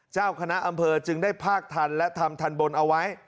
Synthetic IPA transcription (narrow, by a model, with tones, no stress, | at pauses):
t͡ɕaː˥˩wkʰa˧na˦˥ʔa˧mpʰɤː˧t͡ɕɯ˧ŋdaː˥˩jpʰaː˥˩k̚t̪ʰa˧nlɛ˦˥t̪ʰa˧mt̪ʰa˧nbo˧nʔa˧wa˦˥j